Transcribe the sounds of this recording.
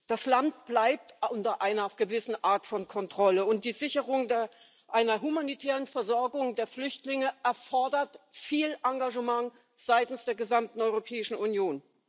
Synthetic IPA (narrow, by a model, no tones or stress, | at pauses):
d̥aslant̚b̥laɪp̚tʊntɐʔaɪnɐɡ̥əvɪsn̩ʔaːɐtfɔnkʰɔntʁ̥ɔləʊnt̚d̥iːzɪçəʁʊŋd | ʔaɪnɐɦumanitʰɛːʁənfɛɐzɔɐɡʊŋdeːɐflʏçtlɪŋəʔɛɐfɔɐdɐtfiːlʔaŋɡaʒəmaŋ | z̥aɪtn̩sd̥eːɐɡəzamtn̩ɔʏʁopʰɛːɪʃn̩unjoːn